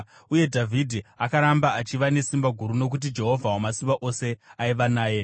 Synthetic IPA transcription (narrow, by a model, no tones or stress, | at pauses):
uje̞dʱavʱidʱiakaɾambaat͡ʃiʋane̞simbaɡʱuɾuno̞k̬ut̬id͡ʒe̞ɦo̞vʱawomasimbaʔo̞se̞aiʋanaːje̞